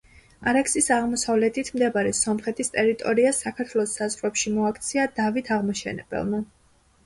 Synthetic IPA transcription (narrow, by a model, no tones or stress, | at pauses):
aɾɛksisaʁmɔsavlɛt̪ʰit̪ʰmd̪ɛbaɾɛsɔmχɛt̪ʰist̪ʼɛɾit̪ʼɔɾiasakʰaɾt̪ʰwɛlˠɔsːazʁɾɛpʃimɔakʰt̪sʰiad̪avit̪ʰaʁmaʃɛ̰nɛ̰bɛ̰lˠma